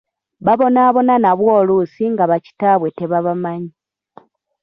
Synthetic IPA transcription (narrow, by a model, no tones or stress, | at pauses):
βaβo̞naːβo̞nanaβwo̞ːlusiŋɡaβaci̥taβwe̞te̞βaβamaɲi